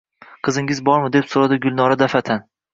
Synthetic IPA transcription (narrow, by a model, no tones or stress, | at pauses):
qʰɨzɪŋɪzbɒɾmɪd̪e̞psoɾad̪ɪɡʊlˠnɒɾad̪afat̪ʰan